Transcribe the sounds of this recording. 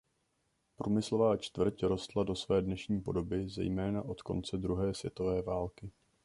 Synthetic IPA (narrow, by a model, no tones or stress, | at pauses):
pɾʔuːmɪslo̞vaːt͡ʃt̪vr̩cɾo̞st̪lado̞svɛːdnɛʃɲiːpo̞̰do̞bɪzɛ̰jmɛːnaʔo̞t̪ko̞̰nt͡sɛd̪ɾuɦɛːsvjɛ̰t̪o̞vɛːvaːlkɪ